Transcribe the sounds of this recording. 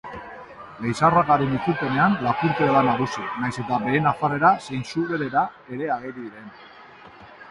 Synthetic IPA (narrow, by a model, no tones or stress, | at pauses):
lejsaraɣaɾunituɾpe̞ne̞anlapuɾk̪eaðanaɣusinajse̞t̪abe̞ːnafare̞ɾase̞jnsuβeɾe̞ɾa | e̞ɾe̞aɣeɾiðiɾe̞n